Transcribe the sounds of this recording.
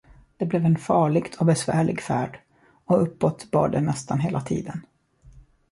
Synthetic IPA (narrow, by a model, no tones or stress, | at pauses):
d̪̥ɛblɛvɛnfɑːɭɪɡt̪ʰɔbɛsvæːɭɪ̰ɡfæːɖ | ɔɵpːɔt̪bɑ̰ːɖɛnɛst̪anɦeːlat̪ʰḭːd̪ən